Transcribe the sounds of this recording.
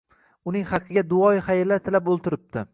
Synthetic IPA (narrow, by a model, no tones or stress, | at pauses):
ʊnɪŋχɑqʰːɨɡʲad̪ʊɒjχajɪɾlːaɾt̪ʰɪlapolˠt̪ʰɪɾɪp̚t̪ʰɪ